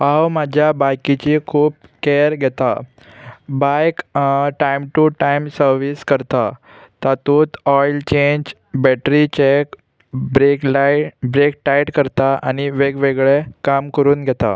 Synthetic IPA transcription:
ɦawmad͡ʑʱjabajkit͡ɕikʰuːp̚keɾɡʱɛt̪a | bajkʈajmʈuʈajmsəɾʋiskəɾt̪a | t̪at̪ut̪ɔjlt͡ɕeɲd͡ʑ | bɛʈɾit͡ɕek | bɾekbɾekʈajʈkəɾt̪aʔañiʋeɡʋeɡɭekamkəɾuːnɡʱɛt̪a̰

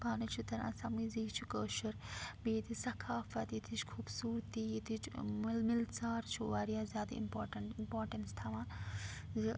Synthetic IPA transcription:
paːnɐt͡ʃʰut̪ɐɾã̰ːsɐmiːziːt͡ʃʰukəːʃɐɾbeːt̪ʰisɐkʰaːfɐt̪it̪ʰit͡ʃkʰuːbsuːɾt̪iːit̪ʰit͡ʃmlmilsaːɾt͡ʃʰuʋaːɾijaːzjaːd̪ɐ̰ḭmpoːɾʈɐnimpoːɾʈɐnst̪ʰɐʋãːzɨ

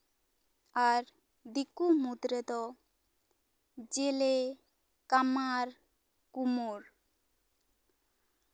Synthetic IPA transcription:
aɾ | d̪ikumud̪ɾed̪ɔ | d͡ʒele | kamaɾ | kumuɾ

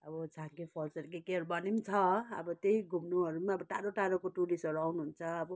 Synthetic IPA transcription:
ʌbʌd͡zʱãkepʰʌlsʌɾkekeɦʌɾubʌnimt͡sʰʌʌ̰bʌt̪ejɡʱumnuɦʌɾumaʌbʌʈaɾoʈaɾokoʈulisʌɾuawnuɦunt͡sʰʌːbʌ

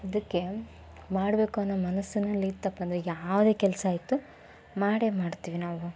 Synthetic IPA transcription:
ɐd̪ɐkːe̞ | maːɽbe̞ːkuɐnːɐːmɐnɐsːunɐlːit̪ɐpːɐnd̪ɐɾejaːʋd̪e̞ːkɛlɐsaːjt̪u | maːɽemaːɽt̪iːʋinaːʋu

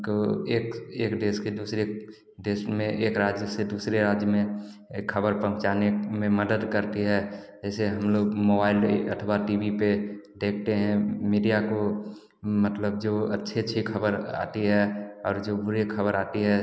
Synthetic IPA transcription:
koeːkeːkd̪eːsked̪uːsɾe | d̪eːsmẽʔeːkɾaːd͡ʒjəsed̪uːsɾeɾaːd͡ʒjəmẽ | kʰəbəɾpə̃ɦʊ̃t͡ʃaːnemẽməd̪əd̪kəɾt̪iɦɛd͡ʒɛːseɦəmloːɡmoːbaːɪlə̰t̪ʰwaʈiːbiped̪eːkʰt̪eɦɛ̃miːɖijako | mət̪ləb̚d͡ʒoətːʃʰeətːʃʰikʰəbəɾa̰ːt̪iɦɛɔ̰ːɾd͡ʒobʊɾekʰəbəɾaːt̪iɦɛ

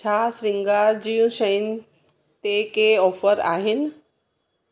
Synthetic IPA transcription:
t͡ɕʰasɾɪ̃ŋɡaːɾd͡ʑijũʃəɪn | t̪ekeɔːfəɾa̰ːɦɪnɪ̆

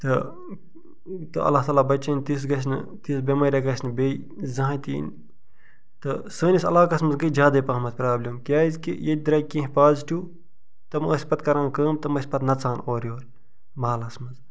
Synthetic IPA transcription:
t̪ɨ | t̪ɨɐ̰lːaːht̪aːlaːbɐt͡ʃɐnʲt̪is̬ɡɐs̬nɨ̰t̪isbʲemɐjɾʲɐɡɐsnɨbe | zɐ̃ɦt̪ḭːn | t̪ɨsəːnisɐ̰laːkɐsmɐzɡɐd͡ʒʲjaːd̪ɐpaːmɐt̪pɾaːblʲɐmkʲjaːizkḭjed̪̚ʲd̪ɾɐkĩɦpaːzʈʲuː | t̪ɐməːsʲpɐt̪kɐɾãːnkəːmt̪ɐmɐsʲpɐt̪nɐt͡saːnoːɾjoːɾ | maːlɐsmɐz

